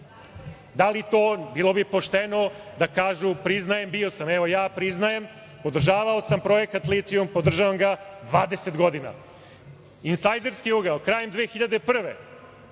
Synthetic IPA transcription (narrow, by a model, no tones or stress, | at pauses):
d̪alit̪oːbilˠo̞bipo̞ʃt̪enod̪akaːʒupɾiznajembio̞sameʋo̞jaːpɾiznajem | po̞d̪r̩ʒaːʋaosampɾo̞jekt̪at̪lit̪iumpo̞d̪r̩ʒaʋamɡad̪ʋaːd̪eset̪ɡo̞d̪ina̰ | insajd̪e̞ɾskiuɡalkɾaːjemd̪ʋeːxiʎad̪epr̩ʋḛ